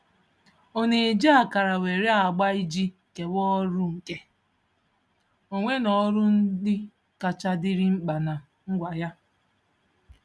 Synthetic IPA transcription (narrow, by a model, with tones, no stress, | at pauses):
o˦ne˨d͡ʒi˦a˨ka˨ɾa˨we˨ɾi˦a˨ɡ͡ba˦i˦d͡ʒi˦˨ke˨wɔ˦ɾʊ˦ŋ̩˨ke˦ | o˨ŋʷe˦nɔ˨˦ɾʊ˦n̩˦dɪ˦ | ka˨t͡ʃa˦dɪ˦ɾɪ˦ŋ͡m̩˦k͡pa˨na˨ | ŋ̩˦ɡʷa˨ja˦